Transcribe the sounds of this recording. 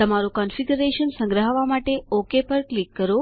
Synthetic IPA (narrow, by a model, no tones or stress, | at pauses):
t̪əmaɾokɔnfiɡuɾeʃənsə̃ŋɡɾəɦəʋamaʈeokepəɾklikːəɾo